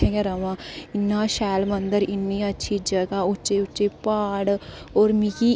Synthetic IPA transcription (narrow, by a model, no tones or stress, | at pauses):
ɛ̃ɡeɾəmãːɪnːãːʃɛːlmənd̪əɾɪnːĩːətːʃʰid͡ʒəɡaːʊtːʃeʊt͡ʃːt͡ʃeːpaːɽoːɾmiki